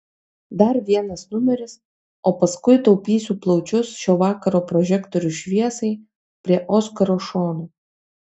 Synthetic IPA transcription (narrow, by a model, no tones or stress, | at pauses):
d̪ɐɾʋʲiɛnɐsnʊmʲɛɾʲɪs | oːpɐskʊɪt̪ɐʊpʲiːsʲuːplˠɒʊt͡ʃʲʊsʃʲoːʋɑːkɐɾoːpɾɔʒʲɛkt̪ɔɾʲʊʃʲʋʲiɛsɐɪ | pʲɾʲiɛʔɔskɐɾoːʃoːnoː